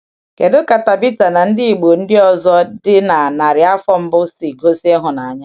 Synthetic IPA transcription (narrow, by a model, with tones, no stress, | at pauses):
ke˨do˦ka˨ta˨bi˦ta˨na˨n̩˦dɪ˦i˨ɡ͡bo˨n̩˦dɪ˦ɔ˨zɔ˦dɪ˦na˨na˨ɾɪ˨a˦fɔ˦m̩˦bʊ˦si˨ɡo˦se˦ɦʊ˨na˨a˨ɲa˦